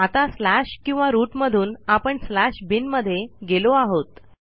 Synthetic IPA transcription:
at̪aslæɕkĩw̃ʋaɾuːʈməd̪ʱuːnapəɳslæɕbinməd̪ʱːjeɡeloaɦot̪

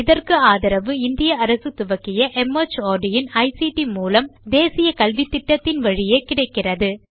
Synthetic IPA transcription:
ɪðɐrkɯaːðɐɾɐʋɯɪnd̪ɪjɐɐɾɐsɯt̪ʊʋɐkːɪjɐʔɛmɐt͡ʃoːɖɪjɪnɐɪsiʈimuːlɐmd̪eːsɪjɐkɐlʋit̪ːɪʈːɐt̪ːɪnʋɐɻɪjeːkɪɽɐɪkːɪrɐðɯ

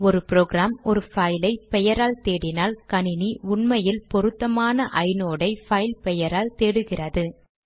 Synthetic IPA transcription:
ɔɾɯpɾoːɣɾaːmɔɾɯfɐɪlɐɪpɛjɐɾaːlt̪eːɽɪnaːlkɐɳɪniʊɳmɐjɪlpɔɾɯt̪ːɐmaːnɐʔɐɪnoːɽɐɪfɐɪlpɛjɐɾaːlt̪eːɽɯɣɪrɐðɯ

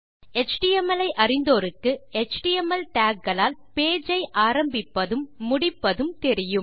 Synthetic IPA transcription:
ɛt͡ʃʈijɛmɐlɐɪʔɐrɪnd̪oːɾɯkːɯɛt͡ʃʈijɛmɐlʈaːkɡɐɭaːlpeːd͡ʒɐɪʔaːɾɐmbɪpːɐðɯmːʊɽɪpːɐðɯmt̪ɛɾɪjɯm

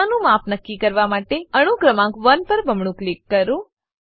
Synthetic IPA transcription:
anũmapnəkːikəɾʋamaʈeəɽ̃uɡɾəmãkʋənpəɾbʱəmɳũklikːəɾũ

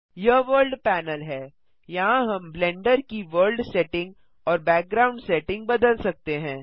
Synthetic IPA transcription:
jɐʋəːɾlɖpɛːnəlɦɛː | jɐɦãɦɐmblɛ̃ːɳɖəɾkiʋəɾlɖsɛːʈɪ̃ŋɡ | ɔːɾbɛːk̚ɡɾaːʊ̃ɳɖsɛːʈɪ̃ŋɡ̚bɐd̪əlsɐk̚t̪eɦɛ̃ː

